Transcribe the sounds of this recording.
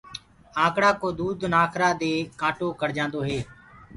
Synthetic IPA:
ãːkɽaːkoːd̪uːd̪naːkʰɾaːd̪eːkãːʈoːkəɽd͡ʒãːnd̪oːɦeː

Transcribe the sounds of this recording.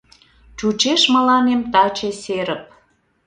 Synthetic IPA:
t͡ɕut͡ɕeʃməlɑnemt̪ɑt͡ɕeseɾə̆p̚

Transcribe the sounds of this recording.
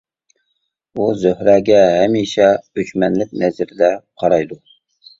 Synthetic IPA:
uzøhɾɛɡʲɛɦɛmiʃɛøʃmɛnlɪkʲnɛzɪɾɪd̪ɛqʰɑɾɑjd̪u

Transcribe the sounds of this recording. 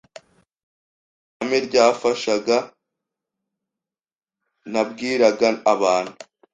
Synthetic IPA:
ameɾɟaːfaʃaɡa | nab̚ɡiːɾaɡaːβaːnhu

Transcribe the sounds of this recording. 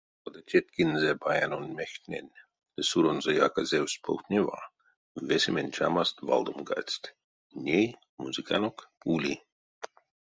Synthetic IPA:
od̪at̪ʲet̪̚ʲkinzebajanonʲmʲext̪ʲnʲenʲ | lesuɾonzejakazʲewsʲpʰowt̪nʲiva̰ | vesʲimʲenʲt͡ʃa̰mast̪va̰lˠd̪omɡa̰t͡sʲt̪ʲ | nʲej | muzikanokulʲi

